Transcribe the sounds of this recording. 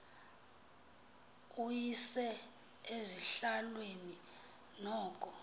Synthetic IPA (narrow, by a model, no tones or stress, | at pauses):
ujisɛ | eziɬalweni | nɔːkʼɔ